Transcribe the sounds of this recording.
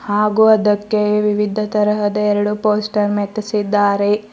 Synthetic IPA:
haːɡuɐd̪ɐkːeʋiʋid̪ʱːɐt̪ɐɾɐɦɐd̪ɐɛɾɐɽupoːsʈɐɾmet̪ːisid̪ːaːɾe

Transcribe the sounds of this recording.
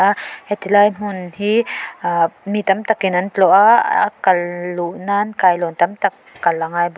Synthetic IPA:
ahɛt̪ilaːjm̥unhi | mit̪amt̪akinant̪lɔʔakalluʔnaːnkaːjlɔnt̪amt̪akːalaŋaːjb

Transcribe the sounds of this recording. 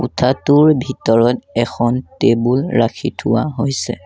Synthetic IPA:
utʰatuɹbʱitɔɹɔtɛxʰɔntebulɹakʰitʰuwaɦojsɛ̰

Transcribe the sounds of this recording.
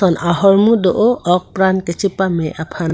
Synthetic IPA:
ɔnʔaɦɔɹmudɔʔɔɔk̚pɾankɛt͡ʃipamɛʔapʰa

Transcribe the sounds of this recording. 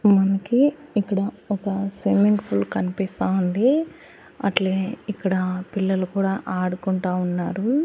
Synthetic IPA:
mɐnɐkiːkːɐɽɐ | ɔkɐsʋimiŋɡpʰulkɐnipist̪aːund̪i | ɐ̰ʈleːikːɐɽɐpilːɐlukuːɽaːʔaːɽukuɳʈaːunːaːɾu

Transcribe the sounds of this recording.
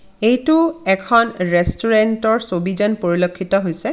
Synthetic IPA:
ejtʊɛkʰɔnɹɛstuɹɛntɔɹsobizɔnpoɹilokʰːitɔɦojsɛ

